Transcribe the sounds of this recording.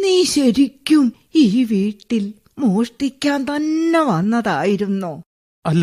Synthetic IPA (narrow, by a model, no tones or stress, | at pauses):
niːɕɐɾikʲːum | iːʋiːʈːil | moːʂʈikʲːaːnt̪ɐnːeʋɐnːɐðaːjiɾunːuː | ɐlː